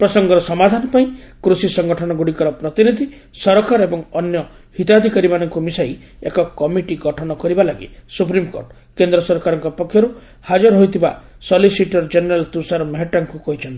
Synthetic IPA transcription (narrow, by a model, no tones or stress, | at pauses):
pɾɔsɔŋɡɔɾɔsɔmad̪ʱanɔpaĩkɾusisɔŋɡɔʈʰɔnɔɡuɽikɔɾɔpɾɔt̪inid̪ʱi | sɔɾɔkʰaɾɔebɔŋɔnjɔ | hit̪ad̪ʱikaɾimanɔŋkumisaj | ekɔkɔmiʈiɡɔʈʰɔnɔkɔɾibalaɡḭsupɾimko̰ɾʈ | kend̪ɾɔsɔɾkaɾɔŋkɔpɔkʰjɔɾu | had͡ʒɔɾɦojt̪ʰiba | sɔlisiʈɔɾd͡ʒeneɾalt̪usaɾɔmɔɦeʈaŋkukɔɦit͡ʃʰɔnt̪i̥